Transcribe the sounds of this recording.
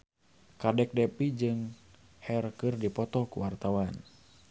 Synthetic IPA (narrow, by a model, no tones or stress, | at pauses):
kadɛk̚dɛpid͡ʒɨŋ | hɛrkɨrdipɔt̪ɔkuwart̪awan